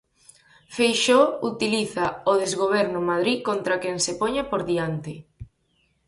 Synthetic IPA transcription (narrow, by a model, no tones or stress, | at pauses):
fejʃout̪iliθaoðezɣoβ̞ɛɾnʊmaðɾikont̪ɾakeŋsepoɲapoɾðiant̪ɪ